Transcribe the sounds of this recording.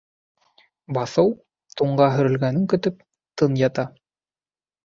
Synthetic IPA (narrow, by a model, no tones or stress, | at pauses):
bɑθɤw | t̪uɴɢɑɦɵ̆ɾɵ̆lɡænɘŋkɵ̆t̪ɵp̚ | t̪ɤnjɑt̪ɑ